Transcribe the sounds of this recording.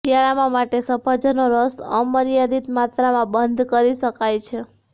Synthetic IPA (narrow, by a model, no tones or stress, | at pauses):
ijaɭamãmaʈesəpʰəd͡ʒənoɾəsəməɾijad̪it̪mat̪ɾamãbənd̪ʱkəɾiʃəkajt͡ʃʰe